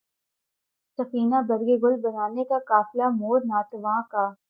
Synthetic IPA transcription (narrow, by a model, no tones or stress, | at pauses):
sɐfiːnabɐɾɡeɡʊlbɐnaːnekakaːflamoːɾnaːt̪ʋãːkaː